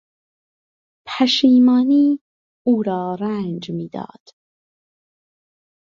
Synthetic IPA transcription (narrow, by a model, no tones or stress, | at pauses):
pʰæʃiːmɑːniː | uːɾɑːɾænd͡ʒmiːd̪ɑ̰ːd̪̥